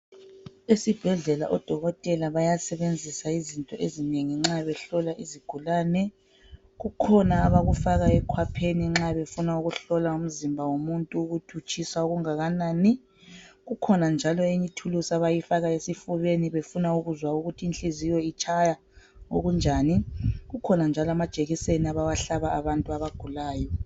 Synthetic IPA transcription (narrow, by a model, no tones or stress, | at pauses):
esib̥ʱɛɮɛla̰ʔɔd̥ʱɔɣɔtʼɛlaβajasɛβend͡zʱisaizintʼɔʔezineŋiŋ͡ǁaβɛɬɔlaʔiziɡ̥ʱulaːnɛ | ɣukʰɔnaːβaɣufaɣaɛkʰwapʰeniŋ͡ǁaβefunauɣuɬɔlaum̩zimbʱawomuntʼuːɣutʰut͡ʃʰʼisauɣuŋaɣanaːni | ɣukʰɔnand͡ʒʱalɔeɲitʰulusaβajifaɣaesifuβeniβefunauɣuzwauɣutʰiːnt͡ɬʼizijɔit͡ʃʰʼaja | oɣund͡ʒʱaniɣukʰɔnand͡ʒʱalamad̥ʒ̥ʱʼeɣiseniaβawaɬaβaaβantʼuaβaɡ̥ʱulaːjɔ